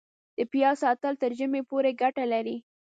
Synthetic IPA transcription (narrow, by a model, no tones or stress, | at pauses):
d̪̥əpjɑsɑt̪əlt̪əɾʒəmepoɾeɡaʈalaɾi